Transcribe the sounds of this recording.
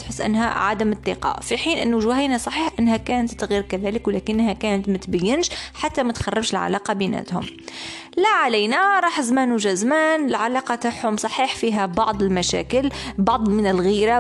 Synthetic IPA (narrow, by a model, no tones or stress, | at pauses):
t̪ħəsːʔa̰nːɦæ̰ʕa̰d̪amɪt̪ˤːḭqɑ̰fiħiːnʔɪnːuʒʊhajnasˤɑħiːħʔanːɦækæːnt̪ːɣiːɾkaðæːlɪkwlæːkɪnːɦækæːnət̪mæt̪bæjːɪnʃħat̪ːamæt̪xɑrˤːɪbʃɪlʕa̰la̰ːqɑbiːnæ̰t̪hʊ̰m | læʕalæjnaɾˤɑːħzmæːnuʒæzmæːnɪlʕalaːqɑt̪aħhʊmsˤɑħiːħfiːɦæbɑʕd̪ˤɪlmæʃæ̰ːkɪlbɑʕd̪ˤmɪnɪlɣiːɾa